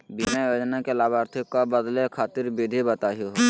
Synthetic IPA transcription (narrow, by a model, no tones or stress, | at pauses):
bimajoːd͡ʒnakelaːbaːɾt̪ʰikːabəd̪lekʰaːt̪ɪɾbɪd̪ʱibət̪aːɦoɦ